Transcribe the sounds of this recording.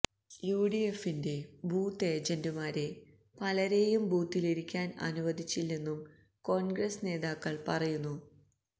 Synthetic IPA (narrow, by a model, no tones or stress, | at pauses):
juːɽije̞fːinde̞buːt̪ːe̞ːd͡ʑɐndumaːɾe | pɐlɐɾe̞jumbuːt̪ːiliɾikʲːaːnɐ̰nuʋɐd̪ʱit͡ɕːilːe̞nːum | ko̞ːnɡresne̞ːðaːkːɐɭpɐrɐjunːu